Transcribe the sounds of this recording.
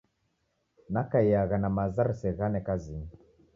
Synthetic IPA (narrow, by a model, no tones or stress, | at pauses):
nakaiaɣanamazaɾsɛɣanɛkazi